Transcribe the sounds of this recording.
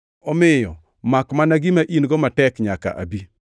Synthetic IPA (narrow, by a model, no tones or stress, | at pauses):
ɔmɪjɔ | makmanaɡɪmaʔinɡɔmatɛkɲaka̰ʔa̰bi